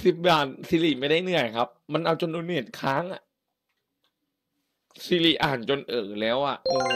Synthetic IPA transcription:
si˨˩p̚jaː˨˩n̚si˧˦li˧˩ma˥˩jda˥˩jnɯ˧əjkʰa˦˥p̚ma˧nʔa˧wt͡ɕo˧nʔuː˧ni˧˨˩t̪̚kʰaː˦˥ŋʔa˨˩ʔ | si˧˦liː˧˩ʔaː˨˩nt͡ɕo˧nʔɤː˨˩lɛː˦˥wʔa˨˩ʔʔɤː˧

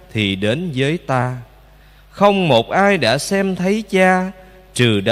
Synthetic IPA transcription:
t̪ʰi˨˩ɗe˨˦nzəː˨˦jt̪aː˧ | xə˧wŋ͡mmo˨˩t̚ʔaː˧jɗa̰ː˧˥sɛ˧mt̪ʰə˨˦jt͡ɕaː˧ | t͡ɕɨ˨˩ɗ

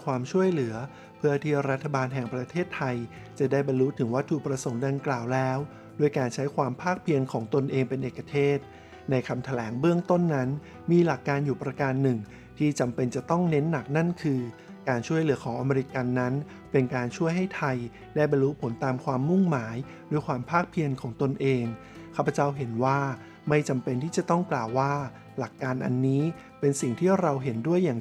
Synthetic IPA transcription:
kʰwaː˧mt͡ɕʰu˥˩əjlɯ˩˦ɐ | pʰɯ˥˩ɐt̪ʰiː˥˩ɾa˦˥t̪ʰːa˧baː˧nɦɛ˨˩ŋpɾa˧t̪ʰeː˥˩t̪ʰːa˧j | t͡ɕa˨˩daː˥˩jbɔ˧nlu˦˥t̪ʰɯ˩˦ŋwa˦˥t̪ʰːuː˧˩pɾa˧so˩˦ŋda˧ŋklaː˨˩wlɛː˦˥w | du˥˩əjkaː˧nt͡ɕʰa˦˥jkʰwaː˧mpʰaː˥˩k̚pʰi˧ənkʰɔː˩˦ŋt̪o˧nʔeː˧ŋpe˧nʔeː˨˩kːa˧t̪ʰeː˥˩t̪̚ | na˧jkʰa˧mt̪ʰa˧lɛː˩˦ŋbɯ˥˩əŋt̪o˥˩nːa˦˥n | miː˧la˨˩kːaː˧njuː˨˩pɾa˧kaː˧nːɯ˨˩ŋ | t̪ʰiː˥˩t͡ɕa˧mpe˧nt͡ɕa˨˩t̪ɔ˥˩ŋne˦˥nːa˨˩k̚na˥˩nkʰɯː˧ | kaː˧nt͡ɕʰu˥˩əjlɯː˩˦ɐkʰɔː˩˦ŋʔa˧meː˧ɾi˧˥ka˧nːa˦˥n | pe˧nkaː˧nt͡ɕʰu˥˩əjɦa˥˩jt̪ʰa˧j | daː˥˩jba˧jɾuː˦˥pʰo˨˩˦nt̪aː˧mkʰwaː˧mːu˥˩ŋmaː˩˦j | ɾuː˩˧˦jkʰwaː˧mpʰaː˥˩k̚pʰi˧ənkʰɔː˩˦ŋt̪o˧nʔeː˧ŋ | kʰaː˥˩pʰːa˧t͡ɕa˥˩wɦe˩˦nwaː˥˩ | ma˥˩jt͡ɕa˧mpe˧nt̪ʰiː˥˩t͡ɕa˨˩t̪ɔ˥˩ŋklaː˨˩wːaː˥˩ | la˨˩kːaː˧nʔa̰˧nːiː˦˥ | pe˧nsi˨˩ŋt̪ʰiː˥˩ɾa˧wɦe˩˦ndu˥˩əjːaː˨˩

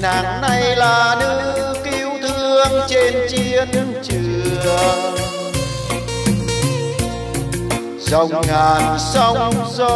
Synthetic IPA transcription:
naː˨˩ŋna˧jlaː˨˩nɨ˧˥ki˧wt̪ʰɨ˧əŋt͡ɕe˧nt͡ɕi˧ənt͡ɕɨ˨˩ə | zə˨˩wŋ͡mŋaː˨˩nsə˧wŋ͡mzo˧

